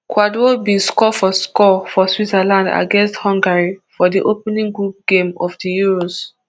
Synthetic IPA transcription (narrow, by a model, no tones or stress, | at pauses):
kwadobĩskɔfɔskɔfɔswizalãnda̰ɡɛ̃nsthɔ̃ŋɡaɹifɔdiʔopnĩŋɡɹup̚ɡ̥ẽmɔfdijuɹos